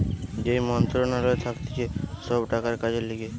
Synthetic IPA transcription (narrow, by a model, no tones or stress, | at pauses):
d͡ʑejmɔnt̪ɾonaɾoet̪ʰakt̪e̥t͡ɕʰeʃɔbʈakaɾkad͡ʑeliɡe